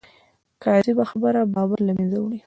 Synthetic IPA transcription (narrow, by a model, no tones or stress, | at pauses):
kazibaxabəɾabɑbaɾlamenzawɽi